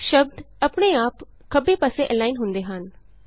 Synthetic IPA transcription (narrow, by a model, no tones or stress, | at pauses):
ʃəb̚d̪ | əpɽeːaːp | kəbeːpaːseʔɛːlaːinɦʊnd̪eːɦən